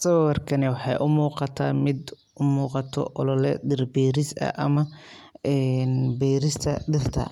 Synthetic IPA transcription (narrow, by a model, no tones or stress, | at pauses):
sɐwwɐrkʰɐnɛwɑħɑjʔʊmuːqɑt̪ʰaːmɪd̪ | ʊmuːqɑt̪ʰɔ̰ʔɔlɔlɛɖɪrbɛːɾɪsɐ̰ʔɐmɐ | ɛːnbɛːɾɪst̪ʰɐɖɪrt̪ʰɐ̰